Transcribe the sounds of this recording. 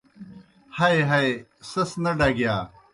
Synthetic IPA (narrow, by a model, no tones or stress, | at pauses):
hɐjɦɐesɐsnɐɖaːɡijaː